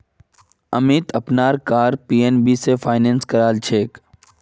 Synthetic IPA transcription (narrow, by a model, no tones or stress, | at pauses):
əmit̪əpnaːɾkaːɾpiːenbiːsefʰaːɪneːnskəɾaːlt͡ʃʰeːk